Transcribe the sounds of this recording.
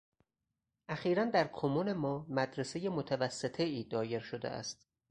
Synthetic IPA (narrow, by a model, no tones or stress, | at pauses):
ʔæxiːɾænd̪æɾkʰomune̞mɒːmæd̪ɾeseje̞mot̪ʰævæsːet̪ʰe̞iːd̪ɒːje̞ɾʃod̪ḛʔæ̰st̪